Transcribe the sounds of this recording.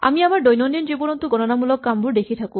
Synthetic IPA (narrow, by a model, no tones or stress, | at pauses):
a̰miamaɾɖojnɔnd̪ind͡ʒibɔnɔnt̪uɡɔnɔnamulɔkːambuɾd̪ekʰit̪ʰaku